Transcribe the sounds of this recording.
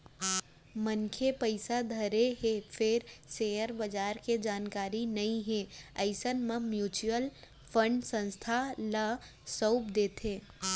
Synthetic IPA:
mənkʰepəɪsad̪ʱəɾeɦepʰɪɾsejəɾbəd͡ʒaːɾked͡ʒaːnkaːɾinɐĩɦẽəɪsənmãmjuːt͡ʃuəl | pʰə̃ɳɖsə̃nst̪ʰalə | səʊpd̪eːt̪ʰẽː

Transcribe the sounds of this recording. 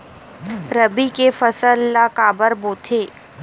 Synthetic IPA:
ɾɐbikefɐsəlːakaːbəɾboːt̪ʰeː

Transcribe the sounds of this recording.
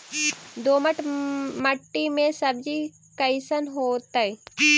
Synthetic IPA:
d̪oːməʈməʈːimẽsɐbd͡ʒi | kəɪsənɦoːt̪əi

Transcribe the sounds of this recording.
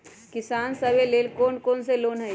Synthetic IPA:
kɪsaːnsəbeleːlkoːnkoːnseloːnɦəj

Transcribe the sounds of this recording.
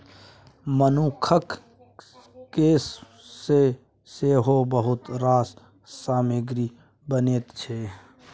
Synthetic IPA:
mənuːkʰək | keːsː | e | seɦobəɦʊt̪ɾaːs | saːmeɡɾi | bəneːt̪t͡ʃʰe

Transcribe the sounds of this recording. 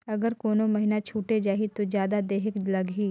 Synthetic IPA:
ɐɡəɾkoːnomɐɦɪnat͡ʃʰuːʈed͡ʒaːɦit̪ozjaːd̪ad̪eːɦɪklɐɡɦiː

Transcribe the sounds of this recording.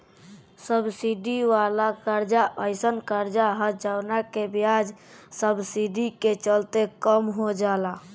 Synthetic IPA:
səbsiɖiʋalakaɾd͡ʒaʔəɪsənkaɾd͡ʒaɦət̪d͡ʒawnakebjad͡ʒ | səbsiɖiket͡ʃəlt̪ekəmɦod͡ʒala

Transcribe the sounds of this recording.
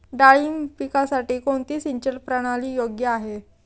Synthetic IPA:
ɖaɭimpikasaʈiːkoɳt̪iːsiɲt͡ɕəɾpɾaɽ̃aliːjoɡjəaɦe

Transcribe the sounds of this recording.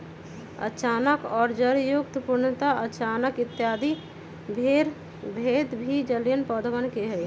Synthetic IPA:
ə̰t͡ʃaːnəkɔːɾd͡ʒəɾjʊk̚t̪puɾnət̪aʔət͡ʃaːnəkɪt̪ːjaːd̪i | bʱeɾ | bʱeːd̪bʱid͡ʒəljənpɔːd̪əʋənkeɦɛ

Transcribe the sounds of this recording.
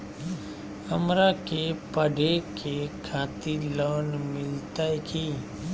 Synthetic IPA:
həmɾakepəɖʱekekʰãːt̪iləːnmɪlt̪aekʰiː

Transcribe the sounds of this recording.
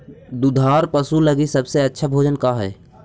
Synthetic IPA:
d̪ud̪ʱaːɾpəsuləɡisəbseɐtːʃʰabʱoːd͡ʒənkaɦɛ̰ː

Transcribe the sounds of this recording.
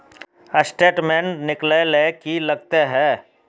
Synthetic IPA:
əsʈeːʈmẽːnnɪklelekilɐɡ̚t̪eɦɛ̃ː

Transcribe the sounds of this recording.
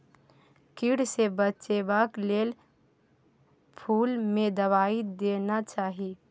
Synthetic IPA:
kiɽsebət͡ʃebaːkleːl | pʰuːlmẽd̪ɐʋaːid̪eːnat͡ʃaːɦi

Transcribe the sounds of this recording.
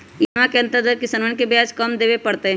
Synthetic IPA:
jmãkeɐ̃nt̪əɾd̪əɾkɪsənʋənkebjaːd͡ʒkəmd̪eːʋepɐɽt̪eɦɛ̃

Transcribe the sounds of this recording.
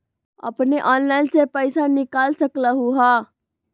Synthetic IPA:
ə̰pneʔɔnlaɪnsepəjsanikalsəkləɦuɦa

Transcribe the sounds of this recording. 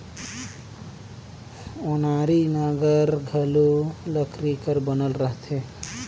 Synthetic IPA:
onaɾinaɡəɾɡʱəluləkɾikəɾbənəlɾəɦt̪ʰe

